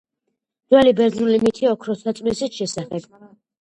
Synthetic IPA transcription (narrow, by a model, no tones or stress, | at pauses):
d̪̥wɛlibɛɾd̪nulimit̪ʰiɔkʰɾɔsat̪sʼmɛsit̪ʃɛsaχɛb̥